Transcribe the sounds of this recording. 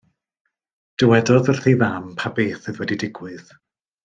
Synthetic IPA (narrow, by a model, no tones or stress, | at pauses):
d̥əwɛdɔðər̥θiðampʰabeːθɨðwɛdidɪɡwɨð